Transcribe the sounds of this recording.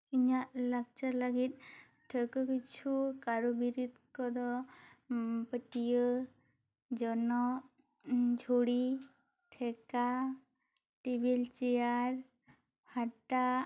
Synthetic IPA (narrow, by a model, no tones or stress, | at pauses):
kiɲaʔlaɡ̚t͡ʃalaɡit̪̚ | ʈʰəkɔkit͡ʃʰukaɾubiɾit̪kɔd̪ɔ | pəʈijə | d͡ʒɔnɔ | d͡ʒʱoɽi | ʈʰɛka | ʈibilt͡ʃijaɾ | bʱaʈa